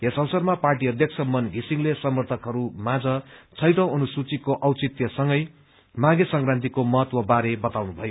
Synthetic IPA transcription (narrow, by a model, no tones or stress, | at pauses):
esʌwsʌrmaparʈiʌd̪ʱjʌk̚t͡sʰʌmʌnɡʱisiŋlesʌmʌrt̪ʰʌkɦʌɾumãd͡zʌt͡sʰʌjʈʌ̃w̃ʌnusut͡sikoʔʌwt͡sit̪jʌsʌŋɡʌj | maɡesʌŋkrãnt̪̬ikomʌɦʌt̪wʌbaɾebʌt̪awnubʱʌjo